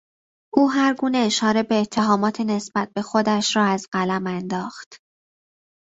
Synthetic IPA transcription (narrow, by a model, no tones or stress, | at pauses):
ʔuːɦæɾɡuːne̞eʃɒːɾe̞be̞ːt̪ʰːeɦɒːmɒːt̪ʰene̞sb̥æt̪̚be̞xo̞d̪æʃɾɒːæzɢælæmænd̪ɒːxt̪